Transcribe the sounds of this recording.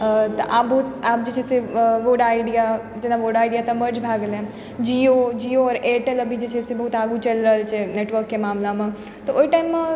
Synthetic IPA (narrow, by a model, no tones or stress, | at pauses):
t̪oʔaːpbɐɦut̪aːp̚d͡ʒet͡ʃʰɛseʋoːɖaːɪɖija | d͡ʒenaʋoːɾɖaːɪɖijat̪ɐməɾd͡ʒbʱaːɡlɛ̃ | d͡ʒiod͡ʒiːoɔːɾeːʈelɐbʱid͡ʒet͡ʃʰɛsebɐɦut̪aːɡũt͡ʃɐlɾəɦlt͡ʃʰeneːʈʋəɾkːemaːmlamẽ | t̪ooːiʈaːɪmːẽ